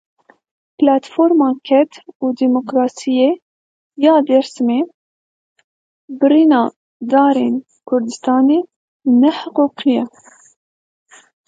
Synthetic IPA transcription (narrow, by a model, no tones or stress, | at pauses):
plaːt̪foɾmɑːkʰɛt̪ʰuːd̪iːmokɾɑːsije | jɑːd̪ɛɾsmeː | bɨɾinɑː | d̪ɑːɾeːn | kʰʊɾd̪ɨst̪ɑːneː | nɛħʊquːqijɛ